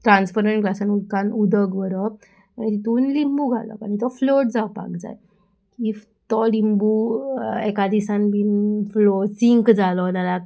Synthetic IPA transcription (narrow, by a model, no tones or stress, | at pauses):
ʈɾanspəɾeɳʈklasanulkãnud̪ʱəɡʋəɾɔ | anit̪it̪uːnlimbuɡʱa̰lɔ̰kañit̪ɔfloʈ̚d͡zawpa̰kd͡za̰j | ki | t̪ɔlimbu | ɛkad̪isanbinflɔsiŋkd͡zalɔd̪ala